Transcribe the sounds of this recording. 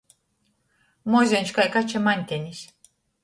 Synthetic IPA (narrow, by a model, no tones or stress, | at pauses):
mozʲenʲt͡ʃkajkat͡ʃemanʲt̪ʲenʲisʲ